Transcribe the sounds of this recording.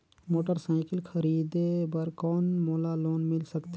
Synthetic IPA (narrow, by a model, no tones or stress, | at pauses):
moːʈəɾsaːɪkəlkʰəɾiːd̪ebəɾkɔːnmoːlaloːnmɪlsəkt̪